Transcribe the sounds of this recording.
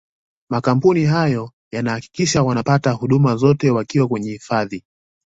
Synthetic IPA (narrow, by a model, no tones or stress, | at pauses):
makam̩puniɦajɔ | janahaki̥kiʃawanapatahuɗumazɔtɛwakiwakwɛɲɛhifaði